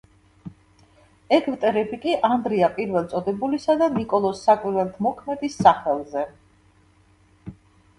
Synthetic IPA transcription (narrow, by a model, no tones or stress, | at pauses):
ɛkʰvt̪ʼɛɾɛbikʼiʔand̪ɾiapʼiɾvɛlˠt̪sʼɔd̪ɛbulisad̪anikʼɔlˠɔsːakʼwiɾwɛlt̪ʰmɔkʰmɛd̪isːaχɛlˠzɛ